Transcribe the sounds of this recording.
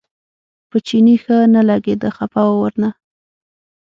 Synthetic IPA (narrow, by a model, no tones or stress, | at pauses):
pət͡ʃinixənalaɡed̪əxapawawəɾna